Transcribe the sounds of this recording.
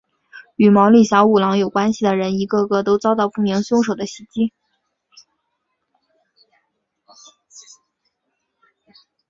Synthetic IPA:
y˨˩mɑ˧˥ʊli˥˩ɕjɑ˧˥ʊu˨˩lɑ˧˥ŋjo˨˩ʊkwa˥nɕi˨˩d̪ə˩ɻə˧˥ni˧˥ɡɤ˥˧ɡɤ˥˧t̪o˥ʊt͡sɑ˥ʊt̪ɑ˥˧ʊpu˥˩mi˧˥ŋɕjʊ˥ŋʂo˨˩ʊd̪ə˦ɕi˧˥t͡ɕi˥

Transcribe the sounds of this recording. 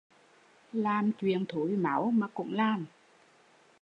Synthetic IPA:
laː˨˩mt͡ɕwḭ˧˨ənt̪ʰu˧˨˦jma̰˧˦wmaː˨˩kʊ̰˧˥ŋ͡mlaː˨˩m

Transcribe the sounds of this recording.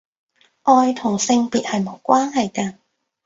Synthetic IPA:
ʔɔː˧jt̪ʰʊ˨˩ŋsɪ˧ŋpiː˨t̚hɐ˨jmo˨˥wkʷaː˥nɦɐ˨jkɐː˧

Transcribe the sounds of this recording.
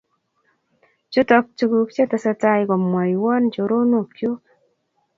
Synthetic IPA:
t͡ʃu˦tɔ˧k̚t͡ʃu˧ɡu˦kt͡ʃe˦ta˨sa˧ta˦jko˨mwa˨jwɔ˦nt͡ʃo˨ɾo˦no˨kjo˦

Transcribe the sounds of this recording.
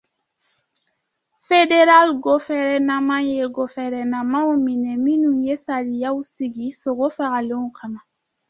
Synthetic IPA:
fe˦de˦ɾa˦lɡo˦fɛ˦ɾɛ˦na˦mã˦je˦ɡo˨fɛɾɛnã˨mã˦o˦mĩ˨nɛ̃˨mĩ˦nũ˨je˦saɾi˨ja˦u˦si˨ɡi˨so˨ɡo˦fa˨ɡa˨lẽ˦u˦ka˨na˨

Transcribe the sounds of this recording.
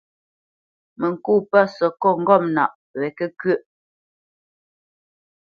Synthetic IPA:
mə˨ŋ̩˨kuː˦˨pa˦˨sɔ˨kɔ˦˨ŋ̩˦ɡɔ˦˨mna̰˨ʔ | wɛ˨kə˦kɥə˦˨ʔ

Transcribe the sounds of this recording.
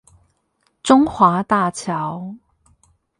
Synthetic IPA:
t͡sʊ˥ŋxwaː˨˥t̪a˥˧t͡ɕʰja˨˥w

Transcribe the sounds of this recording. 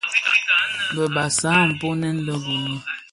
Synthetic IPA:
bə˨ba˨sa˦˨m̩˨po˦nɛ˦n̩˦lə˦bu˨nə˦

